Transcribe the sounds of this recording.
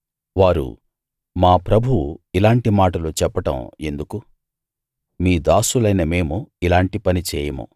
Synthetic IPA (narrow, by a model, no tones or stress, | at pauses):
ʋaːɾṵ | maːpɾɐbʱuuilaːɳʈimaːʈɐlut͡ʃɛpːɐʈɐ̰̃me̞̰nd̪uku | miːd̪aːsulɐjnɐme̞ːmuilaːɳʈipɐnit͡ʃɛːjɐmṵ